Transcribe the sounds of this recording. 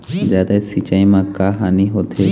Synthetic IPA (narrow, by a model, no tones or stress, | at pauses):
d͡ʒat̪asit͡ʃaimãkaɦaniɦot̪ʰe